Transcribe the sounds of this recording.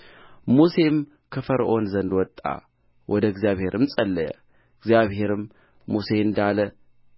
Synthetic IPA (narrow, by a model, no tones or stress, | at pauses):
muse̞m | kʰəfəɾʔo̞nzənd̪wɔt̪ʼːa̰ | wʔɔd̪əɡzijaβhe̞ɾʔɨmsʼɐlːəjə̰ | ɡzjaβhe̞ɾɨmː | use̞ɨnd̪alə